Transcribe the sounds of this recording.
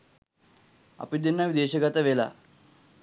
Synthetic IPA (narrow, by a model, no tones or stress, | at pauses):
ɐ̰pid̪inːɐʋid̪eːɕɐɡɐt̪ɐʋela̰